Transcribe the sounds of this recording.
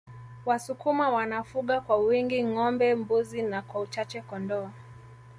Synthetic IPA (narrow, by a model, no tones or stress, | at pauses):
wasukumawanafuɠakwawiŋɡiŋɔmbɛmbuzinakwaut͡ʃat͡ʃɛkɔndɔa